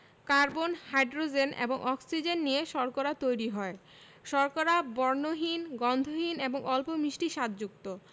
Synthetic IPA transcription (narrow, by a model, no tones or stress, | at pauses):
kaɾbonhajɖɾod͡ʑenḛboŋʔɔksid͡ʑenːijeʃɔɾkoɾat̪ojɾiɦɔe | ʃɔɾkoɾabɔɾnoɦinɡɔnd̪ʱoɦineboŋɔlpomiʃʈiʃat̪̚d͡ʑuk̚t̪o